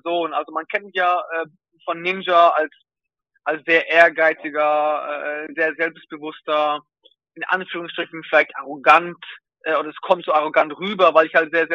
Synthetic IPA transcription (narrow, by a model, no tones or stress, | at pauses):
zoːnʔalzomankʰɛntmɪçjaːʔɛː | fɔnːɪnd͡ʒɐals | ʔalsz̥eːɐʔeːɐɡaɪt͡sɪɡɐɛ̰ːɛːzeːɐzɛlpst̚b̥əvʊstɐ | ʔɪnʔa̰nfyːʁ̞ʊŋsʃtʁ̥ɪçn̩fɪlaɪçtʔaʁoɡant | ʔɛːʔoːdɐɛskʰɔmtz̥oːaʁ̞oɡantʁyːbɐvaɪlɪçhaltz̥eːɐzɛ